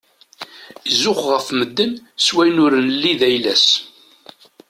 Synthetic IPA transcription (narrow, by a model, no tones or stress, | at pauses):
izʊχʁəfməd̪ːənswæjnʊɾənlːiðæjlæs